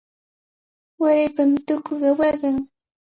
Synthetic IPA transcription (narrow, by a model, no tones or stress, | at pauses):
waɾajpamɪt̪ʊkoɢɑwɑɢɑŋ